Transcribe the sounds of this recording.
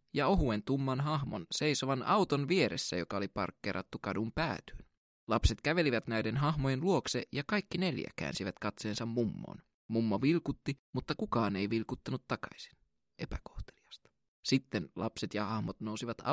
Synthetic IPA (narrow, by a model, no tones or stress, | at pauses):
jɑo̞ɦue̞nt̪umːɑnɦɑɦmonse̞jso̞ʋɑnɑwt̪o̞nʋie̞ɾesːæ̰jokɑolipɑ̰rkːḛɾʔɑ̰t̪ːukɑdumpæ̰ːt̪y̥ːn | lɑpse̞t̪kæʋe̞liʋæt̪næjde̞nɦɑɦmojenluo̞kseʔjɑkɑjkːine̞ljæ̰kæ̰ːnsiʋæt̪kɑt̪seːnsɑmːumːo̰ːn | mumːoʋilkut̪ːimut̪ːɑkukɑːne̞jʋilkut̪ːɑnut̪ːɑkɑ̥isi̥n | e̞pækoht̪eliɑ̥st̪ɑ̥ | sit̪ːe̞nlɑ̰pse̞t̪jɑhɑhmot̪nousiʋɑt̪ɑ̰